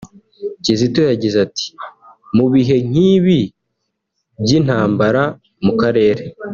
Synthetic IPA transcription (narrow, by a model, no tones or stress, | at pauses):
cizitojaɟizati̥ | muβiɦe̞ŋ̥iːβi | bɟin̥haːmbaɾa | mukaɾe̞ːɾe